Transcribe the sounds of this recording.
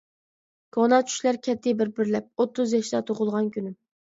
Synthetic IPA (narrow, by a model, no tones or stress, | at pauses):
ɡ̥ɑnɑt͡ʃʰy̥ʃlæɾkʲʰɛt̪ʰːɪbɪɾbɪɾlɛp̚ot̪ʰːʊzjɑʃd̪ɛt̪ʰoʁʊlˠʁɑnkʲʰynym